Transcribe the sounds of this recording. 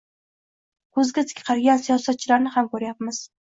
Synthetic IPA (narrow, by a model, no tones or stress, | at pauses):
kʰɵzɡʲat̪ʰɪ̥kʲʰqʰɑɾɡʲansijɒsat̪̚t͡ʃʰɪlaɾnɪhamkɵɾjap̚mɪz̥